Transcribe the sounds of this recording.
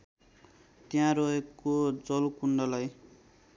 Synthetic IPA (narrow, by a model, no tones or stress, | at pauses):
t̪jãɾʌɦekod͡zʌlkuɳɖʌlaj